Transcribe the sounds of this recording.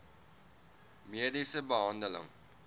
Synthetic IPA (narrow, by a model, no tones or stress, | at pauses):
miədisəbəɦɑndələ̰ŋ